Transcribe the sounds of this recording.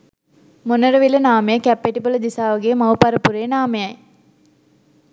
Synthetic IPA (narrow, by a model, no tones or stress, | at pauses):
monəɾəʋilənaːmejəkæpːeʈipələd̪isaːʋɐɡemɐwpɐɾəpuɾeːnaːmejɐj